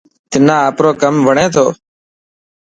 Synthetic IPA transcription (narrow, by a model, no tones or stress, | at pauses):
t̪ɪnãːaːpɾoːkəmʋəɳẽːt̪ʰoː